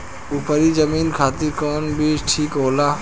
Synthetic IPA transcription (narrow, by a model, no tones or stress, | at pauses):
upəɾid͡ʒəminkʰat̪iɾkɔnbiʃʈʰikɦoːla